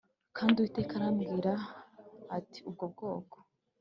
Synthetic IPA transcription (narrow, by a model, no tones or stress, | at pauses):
kʰaːndiuwite̞ːkaɾamɡiːɾaː | tʰi̥ub̚ɡob̚ɡo̞ːko̥